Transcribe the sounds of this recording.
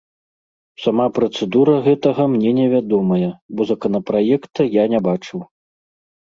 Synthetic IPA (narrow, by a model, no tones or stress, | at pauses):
samapɾɐt̪sɛd̪uɾɐɣɛt̪ɐɣɐmnʲɛnʲɛvʲad̪ɔmɐjɐbɔzɐkɐnɐpɾajɛkt̪ɨjanʲabat͡ʂɨw